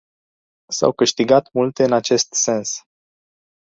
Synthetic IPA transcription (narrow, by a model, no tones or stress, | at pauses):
sa̰wkɨʃt̪iɡat̪mult̪e̞ɨnat͡ʃe̞st̪se̞ns